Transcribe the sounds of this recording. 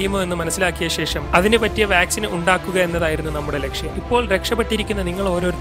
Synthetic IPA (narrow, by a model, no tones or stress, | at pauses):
jɐmoðenːɨmɐnɐsːilaːkːijɐɕe̞ːʂɐmɐðinɨpɐtːijɐʋjaːksinuɳɖaːkːuɣɐe̞nːɐðaːjiɾunːunɐmːuɽe̞le̞kʂjɐmipːo̞ːɭɾe̞kʂɐpːe̞ʈːiɾikʲːunːɐniŋːɐɭo̞ːɾo̞ːɾ